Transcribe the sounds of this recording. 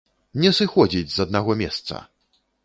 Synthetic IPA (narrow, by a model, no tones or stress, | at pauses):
ɲʲɛsɨxɔd͡ʑʲid͡zʲzad̪̚naɣɔmʲɛst̪sɐ̰